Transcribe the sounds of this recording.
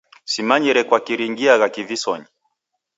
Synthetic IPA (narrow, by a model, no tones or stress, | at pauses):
simaɲiɾɛkwakiɾiŋɡiaɣakivisɔɲi